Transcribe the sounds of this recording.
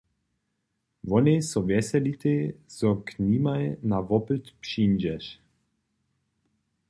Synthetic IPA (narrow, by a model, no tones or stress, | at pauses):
vɔnesɔvɛsɛlit̪ezɔknʲimajnavɔpət̪pʃind͡ʒɛʃ